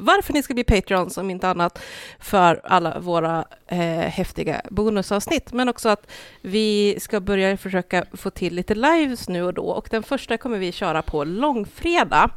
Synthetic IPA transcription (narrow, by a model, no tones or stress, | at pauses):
vaɾfœɳɪskab̪iːpʰɛt̪ʰɾɪɔnsɔmɪnt̪əanːat̪fœɾa̰lːa̰voːɾa | hɛft̪ɪɡa̰buːnɵsɑːvsnɪt̪ːmɛnɔksɔat̪vɪskabœɾjafœʂøːkafoːt̪ʰɪlːiːt̪əlajvsnʉ̟ːɔd̪ɔ̰ːɔ̰kd̪ɛnfœʂʈakʰɔmːəɾvɪɕœːɾapʰɔlɔŋːfɾeːd̪a̰